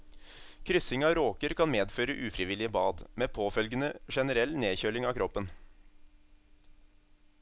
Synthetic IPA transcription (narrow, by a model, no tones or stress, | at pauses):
kʰɾʏsɪŋɑːɾoːkəɾkʰɑnmeːd̪føːɾəʔʉːfɾɪʋɪlɪəbɑːd̪meːpʰoːfœlɡənəʂɛnəɾɛlːneːçøːlɪŋɑːkʰɾɔpːən